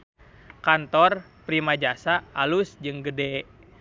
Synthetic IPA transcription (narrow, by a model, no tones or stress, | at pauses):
kant̪ɔr | pɾimad͡ʒasaːlusd͡ʒɨŋɡədɛ